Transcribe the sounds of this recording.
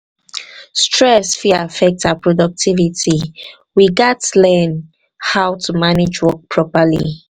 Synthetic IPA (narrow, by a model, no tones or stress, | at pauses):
stʰɹɛsfiafɛk̚tapɹɔdɔk̚tʰiviti | wiɡɛtlɛ̃n | hawtʰumanɪd͡ʒwɔk̚pʰɹɔpəlḭ